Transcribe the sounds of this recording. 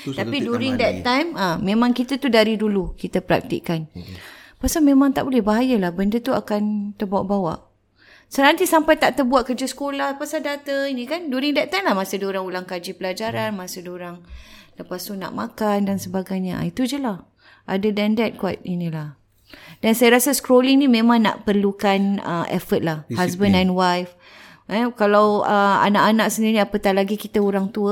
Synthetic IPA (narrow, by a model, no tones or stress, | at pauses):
t̪apiduɾiŋdɛt̪t̪ːajmãmẽmãŋkit̪at̪udaɾidulukit̪əpəɾa̰k̚t̪ḭʔkan | pasamẽmãŋt̪aʔbolɛhbaɦajəlahbəndət̪ua̰kant̪ərbawaʔbawa̰ʔ | sənant̪isampajt̪aʔt̪ərbuaʔ̪̚kərd͡ʒəsə̥kolahpasaldat̪ainĩkanduɾɪŋdɛt̪̚t̪ːajmlahmasədoɾaŋulaŋkad͡ʒipəlad͡ʒaɾanmasədoɾaŋləpast̪una̰ʔmãkandansəbaɡajɲa̰it̪ud͡ʒəlah | ʔadədɛndɛt̪̚kuat̪̚inĩlah | dansajaɾasaskɾoliŋnĩmẽmãŋna̰ʔpərlukanə̰ʔɛ̰fət̪̚lahhas̬bə̃ndɛnwajf | əkalawəa̰naʔanaksəndiɾiapət̪aʔlaɡikit̪əoɾaŋt̪uə